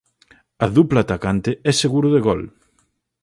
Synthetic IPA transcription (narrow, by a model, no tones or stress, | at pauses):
ɐðuplat̪akant̪ɪɛseɣuɾʊðeɣɔl